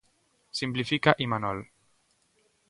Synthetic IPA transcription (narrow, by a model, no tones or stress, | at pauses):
simplifikaʔimanɔl